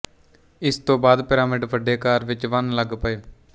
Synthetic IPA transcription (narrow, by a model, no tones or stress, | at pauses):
ɪst̪õːbaːd̪pɪɾaːmɪɖʋəɖeːkaːɾʋɪt͡ʃʋənləɡpəeː